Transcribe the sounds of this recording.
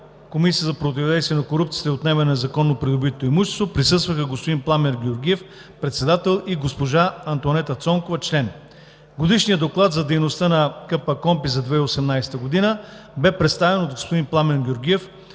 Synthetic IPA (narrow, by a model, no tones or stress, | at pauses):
komisiəzɐpɾot̪̬ivod̪ɛjst̪vijɛnɐkoɾup̚t̪siət̪ɛot̪nɛmɛnɛzɐkɔnːopɾid̪ʊbit̪oimuʃt̪ɛ̥st̪vopɾisɤst̪vəxəɡospod̪inplˠamɛɾɡʲjoɾɡ̟ʲiɛf | pɾɛt̪sɛd̪at̪ɛlˠiɡospoʒaɐnt̪oɐnɛt̪ɐt̪sɔŋkovɐt͡ʃlɛn | ɡod̪iʃniəd̪oklˠat̪zɐd̪ɛjnost̪ənɐkɤpəkɔmpizɐd̪vɛiosɛmnajsɛ̥t̪əɡod̪inəbɛpɾɛt̪st̪avɛnod̪ɡospod̪inplˠamɛnɡʲoɾɡʲiɛf